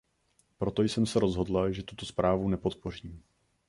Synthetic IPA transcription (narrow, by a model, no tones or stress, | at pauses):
pɾo̞t̪o̞jsɛmsɛɾo̞zɦo̞dlaʒɛt̪ut̪o̞spɾʔaːvunɛpo̞t̪po̞r̝iːm